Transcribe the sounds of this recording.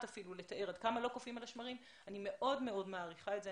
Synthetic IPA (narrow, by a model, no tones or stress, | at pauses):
tafilule̞taʔe̞ʁadkamalo̞kofimalaʃmaʁim | anime̞ʔo̞dme̞o̞dmaːʁiχaetze